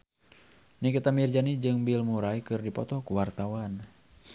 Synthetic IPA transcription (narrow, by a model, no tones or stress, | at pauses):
nikit̪amird͡ʒanid͡ʒɨŋbilmuɾaikɨrdipɔt̪ɔkuwart̪awan